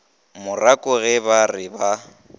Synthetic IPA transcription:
mʊrakʼʊɣɛbarɪba

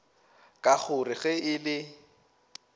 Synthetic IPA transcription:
kʼaχʊrɪɣɛɪlɪ

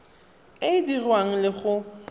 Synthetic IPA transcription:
ɪdirwaŋ̩lɪχʊ

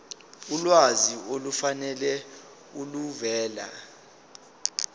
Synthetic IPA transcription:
ulwaziolufanɛlɛ | uluvɛːla̰

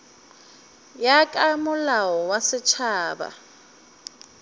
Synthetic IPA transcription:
jakʼamʊlaɔwasɪt͡ʃʰaːba̰

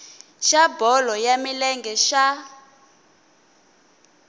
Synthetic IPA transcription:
ʃabɔlɔjamilɛŋɡɛʃa

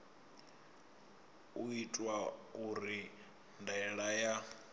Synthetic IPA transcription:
uitʼwauɾi | ndɛɺaja

